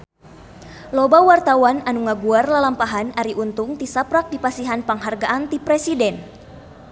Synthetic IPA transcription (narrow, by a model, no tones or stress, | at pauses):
lobawart̪awananuŋaɡuarlalampaɦanaɾiʔunt̪ʊŋt̪isapɾak̚dipasiɦanpaŋɦarɡaʔant̪ipɾɛsidɛn